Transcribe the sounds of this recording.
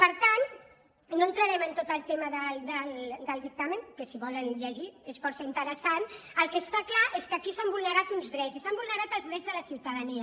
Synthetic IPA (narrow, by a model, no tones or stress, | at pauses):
pəɾt̪an | noənt̪ɾəɾɛmənt̪ot̪əlˠt̪eməðəld̪əld̪əlˠd̪ik̚t̪aməŋkəsiβɔlənʎəʒiesfɔɾsəint̪əɾəsanəlˠkest̪aklaʔeskəkisambulˠnəɾat̪unzðɾɛzisambulnəɾat̪əlˠzðɾɛd͡zðələsiwt̪əðəniə